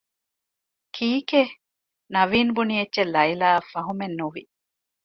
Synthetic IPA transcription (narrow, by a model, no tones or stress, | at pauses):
kʰiːke | nɐʋiːnbunietːʃelɐilaːfɐɦumenːuʋi